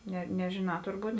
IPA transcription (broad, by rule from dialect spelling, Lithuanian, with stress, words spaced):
ˈnʲɛ nʲɛʒʲeːˈnɑː tʊrˈbuːt